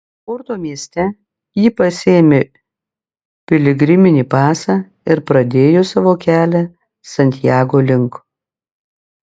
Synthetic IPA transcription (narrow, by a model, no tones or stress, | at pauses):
ʊɾt̪oːmʲiɛsʲt̪ʲɛ | jiːpɐsʲeːmʲe | pʲɪlʲɪɡɾʲɪmʲɪnʲiːpɑːsɑː | ɪɾpɾɐd̪ʲeːjoːsɑːʋoːkʲæːlʲɛ | sɐnʲt̪ʲɪjæːɡoːlʲɪŋk